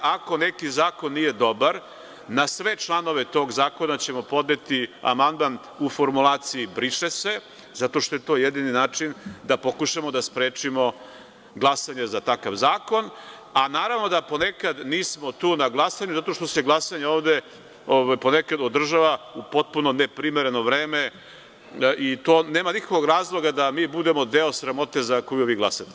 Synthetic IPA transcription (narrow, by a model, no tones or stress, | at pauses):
ako̞nekizaːko̞nːije̞d̪o̞baɾ | nasʋe̞t͡ʃlˠano̞ʋet̪o̞ːɡzaːko̞nat͡ɕe̞mo̞po̞d̪ne̞t̪ia̰mand̪man | ufo̞ɾmulˠaːt̪siibɾiʂese | zat̪o̞ʃt̪ojet̪o̞ːjed̪ininaːt͡ʂind̪apo̞kuʃamo̞d̪aspɾeːt͡ʃimo̞ | ɡlˠasaɲezat̪akaʋzaːko̞n | anaːɾavno̞d̪apo̞nekad̪niːsmo̞t̪uːnaɡlˠasaɲuzat̪oʃt̪oseɡlˠasaɲeoːvd̪e | oʋajpo̞nekad̪od̪r̩ʒaʋaupo̞t̪̚puno̞nepɾimeɾe̞no̞ʋɾeːme | ʔit̪o̞ːneːmanikakoɡɾaːzlˠo̞ɡad̪amiːbud̪e̞mo̞d̪eosɾamo̞t̪e̞zakojuʋiɡlˠasat̪e